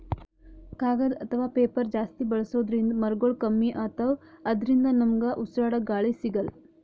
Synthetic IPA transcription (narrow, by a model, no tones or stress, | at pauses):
kaːɡɐd̪ɐt̪ʰɐʋaːpeːpɐɾd͡ʒaːst̪ibɐɭɐsoːd̪ɾind̪ɐmɐɾɡoɭkɐmːiʔaːt̪ɐwɐd̪ɾind̪ɐnɐmɡɐʔusɾaːɽɐɡaːɭisiɡɐl